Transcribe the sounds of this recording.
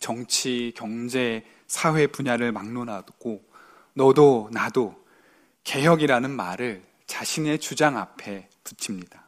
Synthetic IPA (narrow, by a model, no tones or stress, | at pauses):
t͡ɕʌŋt͡ɕʰikjʌŋd͡ʑe̞ | sʰawe̞puɲaɾɯɭmaŋnonɦaɡ̥o | nʌdonado | ke̞jʌɡiɾanɯnmaɾɯɭ | t͡ɕaɕʰine̞t͡ɕud͡ʑaŋapʰe̞ | tɯt͡ɕʰimɲida